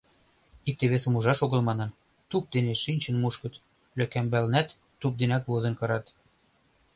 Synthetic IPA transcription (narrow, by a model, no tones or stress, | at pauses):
ik̚t̪eβesə̆muʒɑʃoɣɤ̆lmɑnɤ̆n | t̪up̚d̪eneʃinʲt͡ɕə̆nmuʃkɤ̆t̪ | løkæmbælnæt̪ːup̚d̪enæk̪βozĕnkɤɾɑt̪